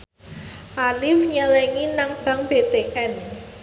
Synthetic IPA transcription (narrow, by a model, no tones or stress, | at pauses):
ʔalifɲəlɛŋinaŋb̥ä̤ŋb̥et̪eʔɛn